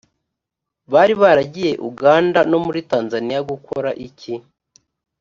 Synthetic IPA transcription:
βaːɾiβaɾaɟije̞ʔuɡaːndano̞muɾitaːnzanijaɡukʰo̞ɾaʔici

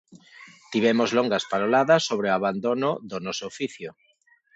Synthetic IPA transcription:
t̪iβɛmozloŋɡaspaɾolaðɐsːoβ̞ɾeoaβand̪onʊðonɔsoːfiθjo

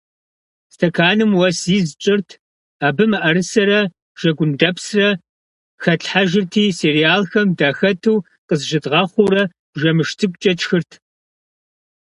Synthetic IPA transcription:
stʰɐkʰaːnɨmwɐsiːzt͡ʃʼɪrtʰ | aːbɨmɨʔɐɾɨsɐɾɐ | ʒ̥ɐɡʷʊndɐpsrɐ | xɐɬħaʒɪrtʰiːseːrijaːlxɐmdaːxɐtʰuː | qʼəzʒɪtʁɑχʷuːrɐ | b̥ʒɐmɨʃtʰɨkʷʼt͡ʃʼɐt͡ʃxɨrtʰ

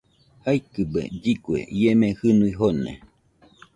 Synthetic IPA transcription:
hajkɨbḛd͡ʒikwḛʔiemẽhɨnuiɦonḛ

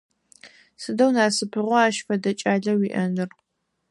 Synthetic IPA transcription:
sɨdɐwnaːsɨpʰɨʁʷɔaːʃfɐdɐt͡ʃʼaːɮɐwiːʔɐnɨr

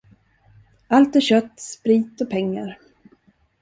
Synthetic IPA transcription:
alt̪æɾɕœt̪ːspɾiːt̪ɔpʰɛŋːa̰ɾ

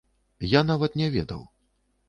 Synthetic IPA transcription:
janavɐt̪nʲɛvʲɛ̰d̪ɐ̰w

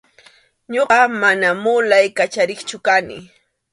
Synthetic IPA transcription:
ɲoɢɑmanamʊlajkat͡ʃaɾɪχt͡ʃʊkanɪ̰

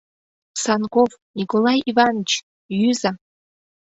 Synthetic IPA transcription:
sɑnkofnʲikolˠɑjivɑnət͡ɕ | jyza

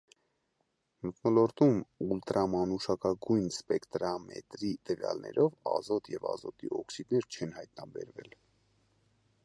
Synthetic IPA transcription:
mət̪nɔlɔɾt̪umult̪ɾɑmɑnuʃɑkɑɡujnspɛkt̪ɾɑmɛ̰t̪ɾit̪əvjɑ̰lnɛ̰ɾʔɔvɑzɔt̪jɛvɑzɔt̪iʔɔksid̪nɛɾt͡ʃʰɛnhɑjt̪nɑbɛɾvɛl

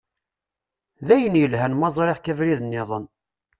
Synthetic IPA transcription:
ðæjənjəlhænmɑzˤɾeʁkævɾiðənːɪðˤən

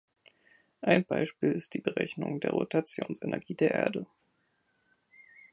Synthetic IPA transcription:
ʔaɪnbaɪʃpiːlɪst̚d̥iːbəʁɛçnʊŋdeːɐʁotʰat͡sjoːnsʔɛnɛɐɡiːdeːɐʔḛːɐdə

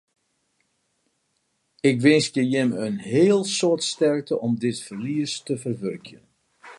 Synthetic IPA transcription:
ɪkʋɪnskjəjɪmənɦeəlˠsoətstɛrk̚təʔɔmdɪtfərliəstəvərʋørkjən

